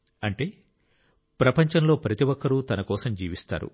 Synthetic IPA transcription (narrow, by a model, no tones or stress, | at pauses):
ɐɳʈe̞ː | pɾɐpɐɲt͡ʃɐnlo̞ːpɾɐt̪iʋɔkːɐɾut̪ɐnɐkɔːsɐmd͡ʒiːʋist̪a̰ːɾṵ